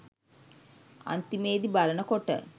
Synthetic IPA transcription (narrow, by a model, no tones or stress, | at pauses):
ɐ̰nt̪imeːd̪ibɐɾɐɳɐkɔʈːɐ̰